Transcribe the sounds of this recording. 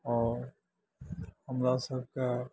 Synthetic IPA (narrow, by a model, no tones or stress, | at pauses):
ɔːɾ | hɐmɾasɐb̚ka